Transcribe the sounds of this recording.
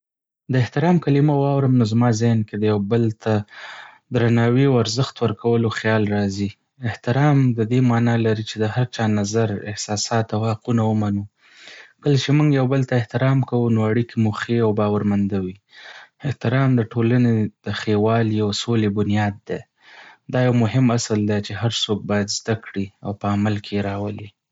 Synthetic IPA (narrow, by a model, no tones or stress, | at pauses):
d̪əɪht̪ɪɾɑmkalimawɑwɾəmnozmɑzɪnked̪əjawbəlt̪ʰa | d̪ɾanɑwiawaɾzəxt̪wəɾkawəloxjɑlɾɑzi | ɪht̪ɪɾɑmd̪əd̪emɑnɑlaɾit͡ʃed̪əhaɾt͡ʃɑnazaɾɪ̰hsɑsɑt̪awhaqunawəmanu | kəlat͡ʃemuŋɡjawbəlt̪aɪht̪ɪɾɑmkawunoaɽikemuxeawbɑwaɾmand̪awi | ɪht̪ɪɾɑmd̪əʈʰolaned̪̥əxewɑliawsolebʊnjɑd̪ːe | d̪ɑjawmʊɦɪmasəld̪at͡ʃeɦaɾsok̚bɑjad̪zd̪akɽiawpəamalkʰejɾɑwəli